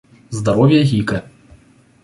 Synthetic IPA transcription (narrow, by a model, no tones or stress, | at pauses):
zd̪aɾɔwʲjɐɣʲikɐ